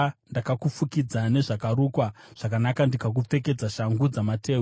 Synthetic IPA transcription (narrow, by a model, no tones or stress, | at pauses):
ndakakufukid͡zane̞ʐakaɾuːkwaʐ̥akanakandikak̬up͡fe̞k̬e̞d͡zaʃaŋɡud͡zamatʰeː